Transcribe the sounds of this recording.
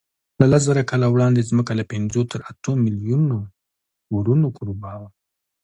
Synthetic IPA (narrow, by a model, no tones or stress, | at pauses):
lalaszaɾakalawɽɑnd̪ezməkalapɪnzot̪ʰəɾat̪omɪljuno | woɾunokʰoɾobɑwa